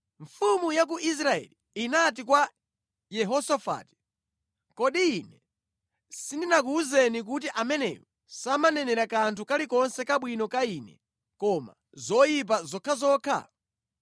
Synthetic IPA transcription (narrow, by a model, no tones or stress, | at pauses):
ɱfumujak̬uʔis̬ɾaɛ̰li | inat̬ikwa | jɛɦɔsafa̰ːti̥ | kɔɗiːnɛ | sindinak̬uːzɛnik̬ut̬iʔamɛnɛ̰jɔ | samanɛnɛɾakantʰukalikɔnsɛkaɓwinɔkainɛ̰ | kɔma̰ | zɔjip̬azɔkʰazɔːkʰa̰